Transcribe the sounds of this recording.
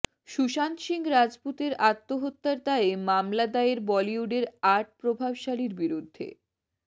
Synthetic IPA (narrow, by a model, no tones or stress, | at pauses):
ʃuʃant̪ʃiŋɾad͡ʑput̪eɾat̪ːoɦot̪ːaɾt̪aemamlad̪aeɾbɔliuɖeɾaɾʈ̚pɾobʱabʃaliɾbiɾud̪ʱːḛ